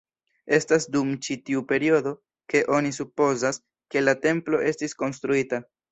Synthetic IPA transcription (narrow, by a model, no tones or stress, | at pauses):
e̞stasdumt͡ʃitiupe̞ɾio̞do̞ | ke̞ʔo̞nisupo̞zas | ke̞late̞mplo̞ʔe̞stisko̞ns̬t̪ɾuita